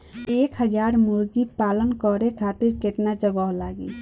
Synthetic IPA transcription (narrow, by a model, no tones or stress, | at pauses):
eːkɦəd͡ʒaːɾmuɾɡipaːlənkɔɾekʰaːt̪ɪɾkeʈnad͡ʒəɡɔɦlaːɡḭ